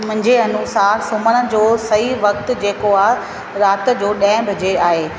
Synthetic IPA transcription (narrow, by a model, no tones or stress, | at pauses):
mʊ̃ɦɪ̃ɲd͡ʑeɐnʊsaːɾsʊməɽ̃ə̆d͡ʑoːsɐiʋɐkt̪̆d͡ʑeːkoaː | ɾaːt̪̆d͡ʑoːɗɐ̃ɦɪ̃bʱɐd͡ʑeaːɦeː